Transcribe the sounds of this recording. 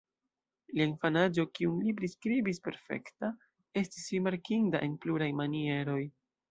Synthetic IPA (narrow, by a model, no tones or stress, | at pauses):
liainfanad͡ʒo̞kiunlip̬ɾiskɾibispe̞̰ɾfe̞̰kta | e̞stisɾimaɾkinda̰ʔe̞npluɾajmanie̞ɾo̞j